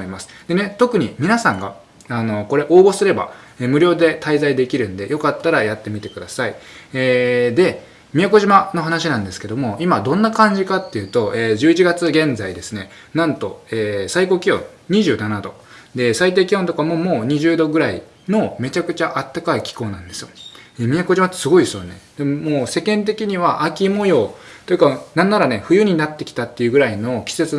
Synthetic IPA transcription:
imasɨ̥d̪̥e̞ne̞t̪o̞kɯ̟ɲ̟imʲinasãŋɡa̰ | ano̞ko̞ɾe̞ʔo̞ːbo̞sɨɾe̞ba̰eːmɯ̟ɾʲjo̞ːd̪e̞t̪ʰaizaid̪e̞kʲiɾɯ̟̃nd̪e̞̰jo̞kat̪ːaɾajat̪ːe̞mʲit̪e̞kɯ̟d̪asaieːd̪e̞ | mʲiako̞ʑimano̞ɦanaɕinãnd̪e̞sɨ̥ke̞d̪o̞mo̞imad̪õ̞nːakãɲ̟d͡ʑikat̪ːe̞jɯ̟ːt̪o̞ʔeːd͡ʑɨːit͡ɕiɡat͡sɨɡẽ̞nzaid̪e̞sɨne̞ | nãnt̪o̞eːsaiko̞ːkʲijõ̰ | ɲ̟iʑɨːnanad̪o̞̰ | d̪e̞sait̪̬e̞ːkʲihont̪okamo̞mo̞ːɲ̟iʑɨːd̪o̞ɡɯ̟ɾai | no̞me̞t͡ɕakɯ̟̥t͡ɕaʔat̪ːakaikʲi̥ko̞ːnãnd̪e̞sɨjo̞̰eːmʲiako̞ʑimat̪ːe̥sɨɡo̞isoanḛd̪̥e̞mmoːse̞kẽ̞nt̪̬e̞kʲiɲ̟iβaʔakʲimo̞jo̞ːt̪ojɯ̟kanãnːaɾane̞ɸɯ̟jɯ̟ɲ̟inat̪ːe̞kʲi̥t̪at̪ːe̞jɯ̟ɡɯ̟ɾaino̞kʲi̥se̞t͡sɨ

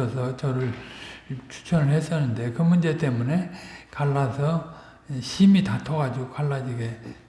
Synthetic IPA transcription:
ʌsʰʌt͡ɕʌɾɯɭ | t͡ɕʰu̥t͡ɕʰʌɾɯɭɦes͈ʌnːɯnde̞kɯmund͡ʑe̞t͈e̞mune̞kaɭːasʰʌ | ɕʰimitatʰʌɡad͡ʑiɡokaɭːad͡ʑiɡe̞

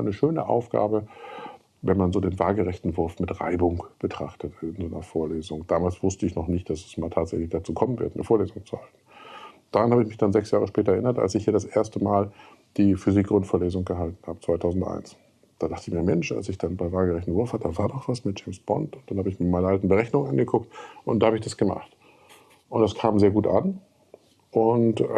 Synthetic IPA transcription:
anəʃøːnə̰ʔa̰ʊfɡ̥a̰ːbə | vɛnmanzoːdeːnvaːlɡəʁɛçtn̩vʊɐfmɪtʁa̰ɪbʊŋb̥ətʁ̥a̰χtətnzoːnɐfoːɐleːzʊŋd̥aːmaːlsv̥ʊstəɪçnɔχnɪçt̚d̥asɛ̥smaːltʰaːtz̥ɛçlɪçd̥at͡suːkʰɔmənvɪ̰ɐtʔn̰əfoːɐleːzʊŋt͡suhaltn̩d̥aːʁanhaːbəɪçmɪçd̥anzɛksjaːʁəʃpɛːtɐɛɐʔɪnɐta̰lsɪçhiːɐɾasʔeːɐstəmaːl | d̥iːfyzikɡ̥ʁʊntfoːɐleːzʊŋɡəɦaltn̩haːbət͡sv̥aɪtʰaʊzn̩tʔa̰ɪns | d̥aːdaχtəɪçmiːɐmɛnʃa̰lsɪçd̥anbaɪvaːlɡəʁɛçtn̩vʊɐfhatəd̥aːvaːɐdɔχv̥asmɪt̚d̥d͡ʒ̥ɛɪmsb̥ɔ̰ntʊnt̚d̥anhaːbəɪçmiɐmaɪnɐʔaltn̩bəʁɛçnʊŋŋʔanɡəkʰʊk̚tʔʊntdaːhabəɪçd̥asɡ̥əma̰χt | ʔʊntd̥askʰaːmzeːɐɡuːtʔan | ʔʊnt

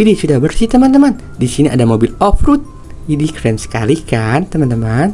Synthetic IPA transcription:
idisudahbərsit̪əmant̪̬əman | disiniʔa̰damobilɔfɾut̪̚ | idikɾɛmsə̥kalikant̪əmant̪əman

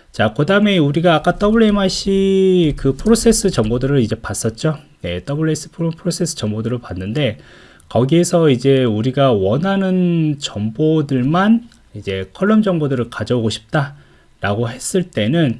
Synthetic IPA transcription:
t͡ɕakɯdame̞uɾiɡaːk͈at͈ʌbɯɭemaɕ͈ʰikɯpʰɯɾos͈ʰe̞s͈ɯt͡ɕʌŋbodɯɾɯɾid͡ʑe̞pas͈ʌt̚t͡ɕ͈one̞̰t͈ʌbɯɭes͈ʰɯ̥pʰɾpʰɯɾosʰe̞s͈ʰɯ̥t͡ɕʌŋbodɯɾɯɭpanːɯnde̞ | kʌɡiesʰʌid͡ʑe̞uɾiɡawʌnanɯnt͡ɕʌŋbodɯɭman | id͡ʑe̞kʰʌɭːʌmd͡ʑʌŋbodɯɾɯɭkad͡ʑʌoɡoɕʰi̥p̚t͈a | ɾaɡoɦe̞s͈ɯɭt͈e̞nɯn

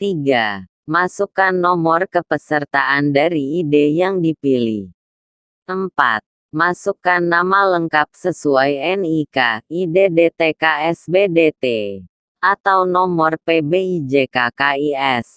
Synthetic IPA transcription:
t̪iɡa | masukanːɔmɔrkəpəsərt̪aʔandaɾiidejaŋdipilḭh | ʔəmpa̰t̪̚ | masukanːamaləŋkap̚səsuajɛnikaidedet̪ekaɛsbedet̪e | ʔat̪awnɔmɔrpebeid͡ʒekakaiɛs

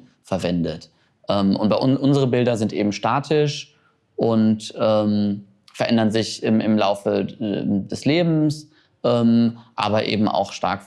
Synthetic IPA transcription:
fɛɐvɛndət | ʔɛːmʔʊ̰ntb̥aɪʔʊnʔʊnzəʁəbɪldɐzɪntʔeːbm̩ʃtaːtʰɪʃ | ʔʊntʔɛːm | fɛɐʔɛndɐnzɪçɪmɪmlaʊfə | dɛsleːbm̩s | ʔɛːmʔa̰ːbɐʔḛːbm̩ʔa̰ʊxʃta̰ɐk

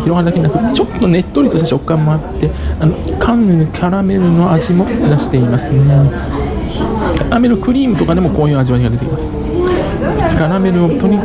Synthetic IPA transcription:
çiɾo̞ɡaɾɯd̪akeɲinakɯ̟t͡ɕo̞t̪ːo̞ne̞t̪ːo̞ɾʲit̪o̞ɕtet͡ɕo̞kːãmːo̞at̪ːe̞anokʰãnːeɾɯ̟kʲʰaɾame̞ɾɯ̟no̞aʑimo̞iɾaɕi̥t̪e̞imasɨno | kʲaɾame̞ɾɯ̟kɯ̟ɾʲiːmɯ̟t̪o̞kad̪e̞mo̞ko̞ːjɯ̟ːaʑiβaɲiɡad̪e̞t̪e̞kimasɨ̥ | kʲaɾame̞ɾɯ̟ot̪oɲ̟i

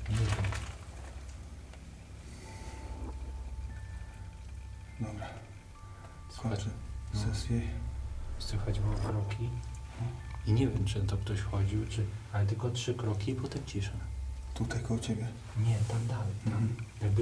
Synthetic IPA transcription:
ɲɛvʲjɛm | d̪ɔbɾa | swaasɛsʲjɛ | swɘxat͡ɕbɔkɾɔkʲʰi | iɲɛvʲjɛmʈ͡ʂɨnat̪ɔk̚t̪ɔɕfxɔd͡ʑiwt͡ʂɘalɛt̪̬ɘlkɔtʂɘkɾɔkʲipɔt̪ɛmt͡ɕiʂɛt̪ut̪ajkɔut͡ɕɛbʲjɛ | ɲɛt̪amd̪alɛjt̪amj̪aɡ̚b

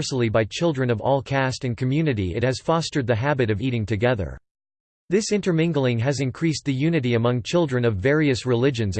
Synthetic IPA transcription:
sl̩ˠibaɪt͡ʃʰɪlˠdɹɨ̃nʌvɔ̰lˠkʰæstɨ̃nkʰɨmjʉnɨɾiɨ̰t̚hɨz̥fɑstə˞d̪̚ðɨɦæbɨɾʌviɾɪ̃ŋtʰɨɡɛðə̰˞ | ðɪsɪ̃ntə˞mɪ̃ŋɡl̩ˠɪ̃ŋɨzɨ̃nkʰɹ̥isðɨjʉnɨɾiɨmʌ̃ŋt͡ʃʰɪlˠdɹɨ̃nʌvːɛɹiɨsɹɨlɪd͡ʒɨ̃nz

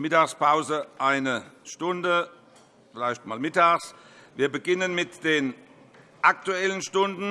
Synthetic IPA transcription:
mɪtaːxspʰaʊzəʔaɪnəʃtʊndə | fɪlaɪçtmaːlmɪtaːxs | viːɐbəɡɪnənmɪtd̥eːn | ʔak̚tuɛlənʃtʊndn̩

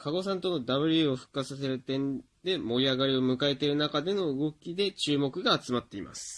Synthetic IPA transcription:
kʰaɡo̞s̬ãnt̪o̞no̞d̪aβɯ̟ɾʲɯoɸɯ̟̥kːasas̬e̞ɾɯ̟t̪ẽ̞n | d̪e̞mo̞ɾʲiaɡaɾʲio̞mɯ̟kae̞t̪e̞ɾɯ̟nakad̪e̞no̞ɯ̟ɡo̞kʲid̪e̞t͡ɕɨːmo̞kɯ̟ɡaːt͡sɨmat̪ːe̞imʔa̰sɨ̥

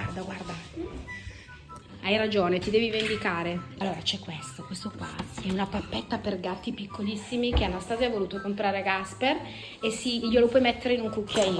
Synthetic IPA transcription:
ard̪aɡward̪a | ajɾad͡ʒoːnet̪id̪ɛːvivend̪ikaːɾealːoːɾat͡ʃɛkːwest̪okwest̪okwa̰ɛunapapːɛt̪ːaperɡat̪ːipikʰːolisːimikeanːast̪aːzjajvoluːt̪okompɾaːɾeɡasper | esːiʎːolopwɔjmɛt̪ːeɾeinuŋkukʰːaiː

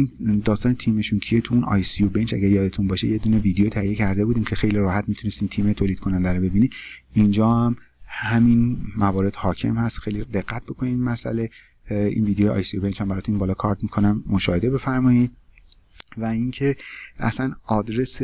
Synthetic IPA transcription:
ind̪ɒːst̪ɒːnet̪ʰiːme̞ʃuncʰie̞t̪ʰuunɒ̰ːjsiobent͡ʃæ̰ɡæɾjɒːd̪e̞t̪ʰunbɒːʃe̞jed̪une̞viːd̪ejot̪ʰæhije̞cʰæɾd̪e̞buːd̪iːmcʰe̞xe̞jliɾɒːhæt̪mit̪ʰune̞st̪iːnt̪ʰiːmet̪ʰoːliːd̪̚kʰo̞nænd̪æɾobe̞biːniː | ind͡ʒɒːhæm | hæminmævɒːɾe̞d̪hɒːcʰe̞̰mhæst̪xejlid̪e̞ɢːæt̪̚bokʰoniːd̪mæsæ̰le̞ | ḭnviːd̪ejojeɒ̰jsiobent͡ʃhæmbæɾɒːt̪ʰunbɒːlɒːkʰɒɾt̪mikʰo̞næmːoʃɒːhe̞d̪ebe̞fæɾmɒːid̪ | væincʰeæ̰sænɒːd̪ɾe̞s

